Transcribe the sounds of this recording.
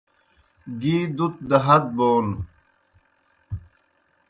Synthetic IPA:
ɡiːd̪ut̪̚d̪ɐɦɐt̪̚boːn

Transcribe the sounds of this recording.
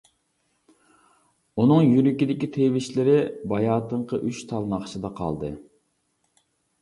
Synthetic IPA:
unɨŋjyɾykʲid̪ɪkʲit̪ʰewɪʃlɪɾɪbɑjɑːt̪ʰəɴqəʔyt͡ʃt̪ʰɑlˠnɑχʃɨd̪ɑqʰɑ̰lˠd̪ɨ̰

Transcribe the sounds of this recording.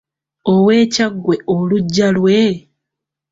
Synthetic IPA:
owe̞ːcaɡːwe̞ʔoluɟːalwe̞

